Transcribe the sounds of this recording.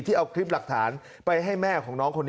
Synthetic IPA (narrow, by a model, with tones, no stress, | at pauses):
t̪ʰiː˥˩ʔa˧wkʰɾi˦˥p̚la˨˩k̚t̪ʰaː˩˦n | pa˧jɦa˥˩jmɛː˥˩kʰɔː˩˦ŋnɔː˦˥ŋkʰo˧nː˦